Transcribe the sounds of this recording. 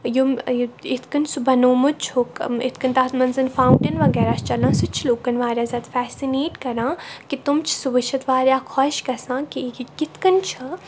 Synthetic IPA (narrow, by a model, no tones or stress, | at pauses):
juɪt̪ʰkɐnsubɐnoːmut͡ʃʰokḭt̪ʰkɐnt̪aːɦt̪mɐnzɐnfaːuɳʈinʋɐɡɛːɾaːt͡ʃʰt͡ʃɐlãːsut͡ʃʰloːkɐnʋaːɾʲjaːzʲat̪fɛːsineːʈkɐɾãːkit̪umt͡ʃʰsuʋɐʃʰɐt̪ʋaːɾʲjaːkʰɔːʃkɐsãːkikɪt̪ʰkɐnt͡ʃʰɐ